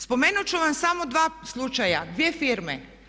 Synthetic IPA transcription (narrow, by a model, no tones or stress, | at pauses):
spomeːnut͡ʃuʋamsamod̪ʋaːslˠut͡ʃaja̰d̪ʋiefiɾmɛ̰